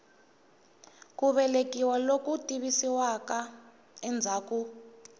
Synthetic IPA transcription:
kuɓɛlekiwalokutʼiβisiwaka | ɛnd͡zʱaːku

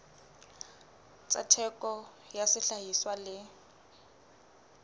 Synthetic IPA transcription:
t͡sʼa̰tʰɛkʼɔ | jasɪɬaɦiswalɪ

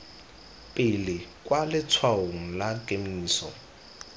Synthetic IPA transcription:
pʼɪlɪkʼwalɪt͡sʰwaoŋ̩lakʼemiiːsɔ

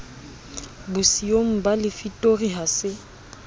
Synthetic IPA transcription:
bʊsioŋ̩balɪfitʼoriɦasɪ

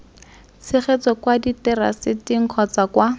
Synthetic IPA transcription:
t͡sʰɪχet͡sɔkwaditɛra̰sɪtiŋ̩q͡χʰɔt͡sakwa

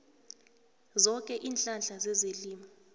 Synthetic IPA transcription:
zɔkʼɛʔiːnɬʼand͡ɮʱazɛzeliːma

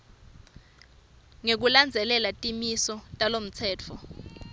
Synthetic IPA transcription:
ŋek̬uland͡zʱɛlɛlatʼimisɔtʼalom̩t͡sʰɛːt͡fʰɔ

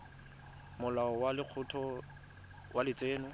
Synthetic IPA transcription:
mʊlaɔwalɪq͡χʰʊtʰɔ | wʔalɪt͡sʼeːnʊ

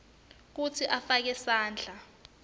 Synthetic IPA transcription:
k̬ut͡sʰiʔafak̬ɛsaːnd͡ɮʱa

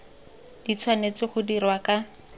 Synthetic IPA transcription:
d̥it͡sʰwanet͡sɪχʊdirwaka

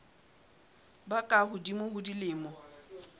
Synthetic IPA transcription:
bakʼaɦʊdimʊɦʊdilɪːmɔ

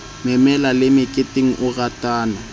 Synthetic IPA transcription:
mɛmɛlalɪmɪkʼɪtʼɪŋ̩ʔʊɣatʼaːna

